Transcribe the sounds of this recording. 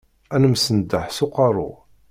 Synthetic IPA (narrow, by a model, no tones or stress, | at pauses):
ænəmsənd̪ːəħsuqɑɾˤʊ̰